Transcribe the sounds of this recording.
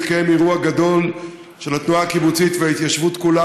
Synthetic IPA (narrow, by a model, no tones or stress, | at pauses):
kemiʁuaɡad̪o̞l | ʃe̞lat̪nuaːkibut͡sit̪veait̪jaʃvut̪kula